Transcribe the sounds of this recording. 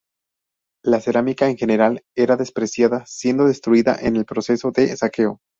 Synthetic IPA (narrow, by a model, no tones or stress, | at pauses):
lase̞ɾamikaeŋxe̞ne̞ɾale̞ɾaðe̞spɾesjaðasje̞nd̪o̞ðe̞st̪ɾuiða̰ʔene̞lpɾo̞se̞so̞ðe̞sake̞o